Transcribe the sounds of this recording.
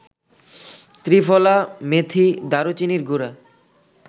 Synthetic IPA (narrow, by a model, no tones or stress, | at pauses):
t̪ɾifɔlamet̪ʰid̪aɾot͡ɕiniɾɡuɾa